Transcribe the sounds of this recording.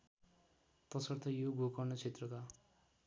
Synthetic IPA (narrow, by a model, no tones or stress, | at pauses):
t̪ʌsʌrt̪ʰʌjoɡʱokʌnʌt͡sʰet̪rʌka